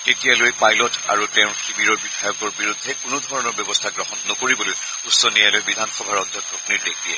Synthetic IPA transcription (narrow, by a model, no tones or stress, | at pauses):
tetijalojpajlɔta̰ɹutɛʊ̃xibiɹɔɹbidʱajɔkɔɹbiɹud̪ʱːɛkʊnʊdʱɔɹɔnɔɹbjɔbɔstʰaɡɹɔxɔnːɔkoɹibɔloj | usːɔnijalojbidʱanxɔbʱaɹɔd̪ʱjɔkɹɔpniɹdek̚diɛ